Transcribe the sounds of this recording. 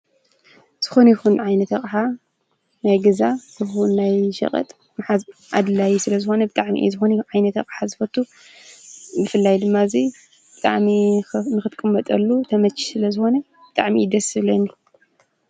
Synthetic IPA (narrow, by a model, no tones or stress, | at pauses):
z̥ɨxo̞njixunʕajnɐt̪ʰɐχʼħa | najɡɐzazɨxunːajʃɐ̰χʼɐ̰t̪ʼ | mħazʔa̰d̪ɨlajisɨlɐzɨxo̞nɐbɨt̪ʼaʕmḭʔḭzɨxonʕajnɐt̪ʰɐkʼħazɨfɐt̪ʰu | bɨfɨlːajd̪ɨmːazi | bɨt̪ʼa̰ʕminɨxɨt̪ʼkʼɨmːɐt̪ʼɐlːut̪ʰɐmɐt͡ʃʰːi̥sɨlɐzɨxo̞nɐ | bɨt̪ʼaʕmid̪ɐsɨβlɐnːi